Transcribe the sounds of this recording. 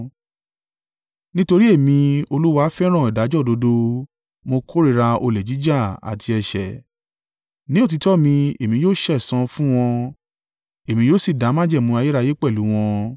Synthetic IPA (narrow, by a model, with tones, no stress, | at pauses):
nĩ˦to˧ɾi˦e˦˨mĩ˧o˧lu˦wa˧˦fɛ˦ɾ̃ɔ̃˦˨i˨da˨˦d͡ʒɔ˦˨do˧do˧ | mo˧kʰo˦ɾi˦˨ɾa˧o˧le˨d͡ʒi˨˦d͡ʒa˦˨a̰˨tʰi˧ɛ˧ʃɛ̰˨ | nĩ˦o˦˨t̬i˧tɔ˦˨mĩ˧e˨mĩ˧joː˦ʃɛ˦˨sã˧fũ˦w̃ɔ̃˧ | e˨mĩ˧joː˦˨si˦˨da˨˦mã˦d͡ʒɛ˦˨mũ˧˦a˧je˦ɾa˧je˦k͡pɛ˦˨lu˨˦w̃ɔ̃˧